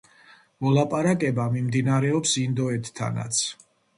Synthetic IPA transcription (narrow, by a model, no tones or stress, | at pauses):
mɔlˠapʼaɾakʼɛbamimd̪inaɾɛɔpsind̪ɔɛt̪ʰːa̰na̰t̪sʰ